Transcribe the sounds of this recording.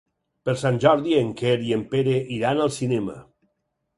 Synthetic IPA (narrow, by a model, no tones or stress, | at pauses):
pəɾsanʲʒɔɾðieŋkeɾiempeɾeʔiɾanəlˠsinemə̰